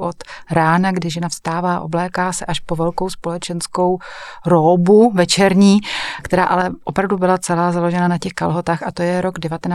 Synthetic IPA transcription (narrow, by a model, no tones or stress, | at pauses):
ʔot̪ɾaːnaɡdɪʒɛnafst̪aːvaːʔo̞̰blɛːkaːsɛʔaʃpo̞vɛlko̞wspo̞lɛt͡ʃɛnsko̞wɾoːbuvɛt͡ʃɛɾɲiːkt̪ɛɾaːʔalɛʔo̞pɾavdubɪlat͡sɛlaːzalo̞ʒɛnanacɛxka̰lɦo̞t̪aːxʔat̪o̞jɛɾo̞ɡdɛvat̪ɛna